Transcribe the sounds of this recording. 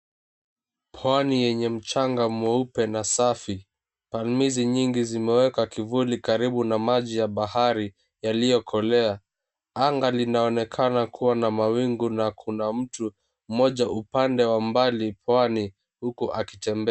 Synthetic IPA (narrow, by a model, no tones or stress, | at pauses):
pʰwanijɛɲɛm̩t͡ʃaŋɡamwɛupɛnasafi | palmiziɲiŋɡizimɛwɛkakivulikaɾiɓunamaʄijaɓahaɾi | jalijɔkʰɔlɛa | aŋɡalinaɔnɛkʰanakʰuwanamawiŋɡunakʰunam̩tu | m̩mɔʄaʔupandɛwambalipwani | hukuʔaki̥tɛmbɛ